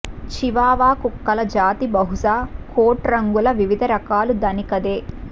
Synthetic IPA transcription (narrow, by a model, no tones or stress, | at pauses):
t͡ʃiʋaːʋaːkukːɐlɐd͡ʒaːt̪ibɐɦusaːkoːʈɾɐŋɡulɐʋiʋid̪ʱɐɾɐkaːlud̪ɐnikɐd̪eː